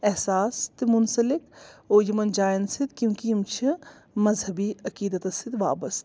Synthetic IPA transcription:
ɛɦsaːst̪emʊnsəlɪkoːjɐmɐnd͡ʒaːjnsɪd̪kjũːkiɐmt͡ʃʰi | mɐzhɐbiɐkiːd̪ət̪ɐsɪd̪ʋa̰ːbəst̪

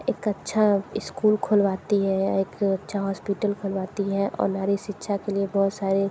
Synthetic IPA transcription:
eːkɐtːʃʰaɪskuːlkʰolʋaːt̪iɦɛeːkɐtːʃʰaɦɔːspiʈəlkʰoːlʋaːt̪iɦɛʔɔ̰ːɾnaːɾiʃitːʃʰakeliebɔɦʊt̪saːɾe

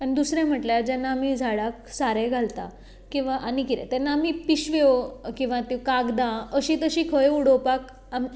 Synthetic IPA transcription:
anid̪usɾɛ̃m̤əʈljaɾd͡ʑɛnːaːmid͡zʱaɭak̚saɾɛɡʱalt̪a̰ | kĩw̃ʋaʔanikiɾɛ̰t̪ɛnːaːmipiɕʋeokĩw̃ʋat̪ĩkaɡd̪ãəɕĩt̪əɕiːkʰəjuɽopak | ami

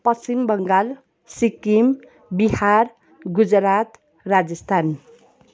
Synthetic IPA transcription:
pʌsimbʌŋɡal | sikim | bihar | ɡud͡zɾat̪ | rad͡zʌst̪ʰan

